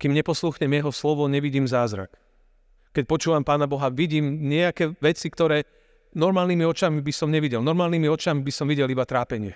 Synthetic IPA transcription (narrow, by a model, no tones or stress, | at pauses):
kiːmɲɛpɔsluːxɲɛmjɛɦɔslɔʋɔɲɛʋiɟiːmzaːzɾa̰k | kɛc̚pɔt͡ʃuːʋampaːnabɔɦaʋiɟiːmɲɪɛakɛːʋɛt͡sikt̪ɔɾɛː | nɔɾmaːlnimiɔt͡ʃamibisɔmɲɛʋiɟɛlnɔɾmaːlniːmiɔt͡ʃamibisɔmʋiɟɛlibat̪ɾaːpɛɲɪɛ